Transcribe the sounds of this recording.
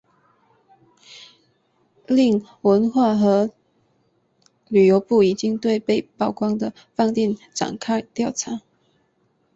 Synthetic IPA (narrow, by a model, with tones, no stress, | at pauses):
li˥˩ŋ | wə˧˦˥nxwa˥˩xɤ˧˥ | ly˨˩jo˧˥ʊpu˥˩i˨˩t͡ɕi˥ŋt̪we˥˧ɪpe˥˧ɪpɑ˥˩ʊkwɑ˥ŋd̪ə˨ | fɑ˥˧ŋt̪jɛ˥˩nʈ͡ʂa̰˨˩ŋkʰa˥˧ɪt̪jɑ˥˩ʊʈ͡ʂʰa˧˥